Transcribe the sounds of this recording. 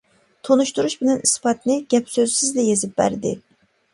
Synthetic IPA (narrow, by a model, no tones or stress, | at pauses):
t̪ʰonuʃt̪uɾuʃbɪnɛnispɑt̪ʰnɪɡʲɛpsøzsizlɛjezɪp̚bæ̰ɾd̪ɪ